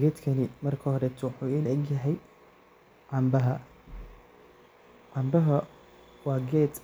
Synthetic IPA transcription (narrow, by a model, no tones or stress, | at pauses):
ɡɛːd̪kʰɐnɪmɐrkʰɐɦɔɾɛt̪ʰwʊħuːilʔɛɡjɐɦɛj | ʕɑmbɐɦɐ | ʕɑmbɐɦɐ | wɑːɡɛːd̪